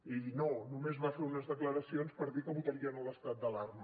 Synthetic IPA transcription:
inonumezβafeɾunəzðəkləɾəsionspəɾðikəβut̪əɾiənələst̪at̪̚d̪əlarmə

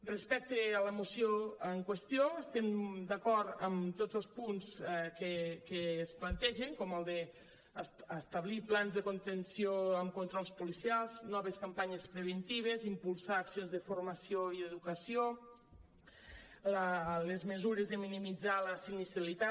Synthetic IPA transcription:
respɛk̚t̪ealəmusjoəŋkwest̪ioest̪ɛmd̪akɔɾt̪əmt̪ozəlˠspunskekeːsplant̪ɛʒeŋkɔməlˠd̪e | əst̪aβliplanzðəkont̪ensioəmkunt̪ɾɔlˠspulisialˠznɔβeskampaɲespɾeβ̞ent̪iβ̞ezimpulˠsaːksionzðəfuɾmɐsioieðukəsio | ləlezmezuɾezðəminimid͡zaləsiɡnisjalit̪a

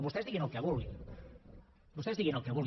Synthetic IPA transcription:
βost̪ɛzðiɣenokeaβulɣi | bost̪ɛzðiɣenokeaβul

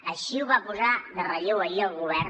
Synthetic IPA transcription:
əʃiwβapuzaðərəʎewəiəlˠɣuβɛɾ

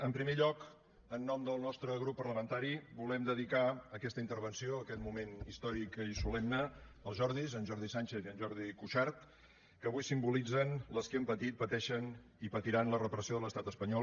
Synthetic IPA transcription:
əmpɾimeʎɔk | ənːɔmd̪əlˠnɔst̪ɾəɣɾupːərləmənt̪aɾibulɛmd̪əðikaəkɛst̪əint̪əɾβ̞ənsioəkɛt̪mumenist̪ɔɾikisulɛmnəəlˠʒɔɾðizənʒɔɾðisanʲt͡ʃeθiənʒɔɾð̞ikuʃaɾt̪ | kəβujsimbulid͡zənləskiəmpət̪it̪̚pət̪ɛʃən | ipət̪iɾanlərəpɾəsioðələst̪at̪əspəɲɔ

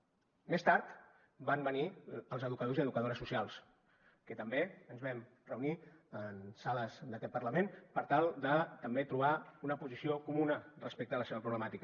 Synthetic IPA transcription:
mest̪aɾt̪ | bambəniəlˠzəðukəð̞oziəðukəðoɾəsusijalˠs | kət̪əmbeənzβɛm | rəuniənsaləzd̪əkɛt̪̚pəɾləmenpəɾt̪alˠd̪ət̪əmbet̪ɾuβ̞aunəpuzisiokumunərəspek̚t̪ələseβəpɾuβləmat̪ikə

